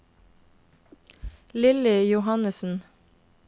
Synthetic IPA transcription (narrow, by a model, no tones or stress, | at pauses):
lɪlɪjʊhɑnəsn̩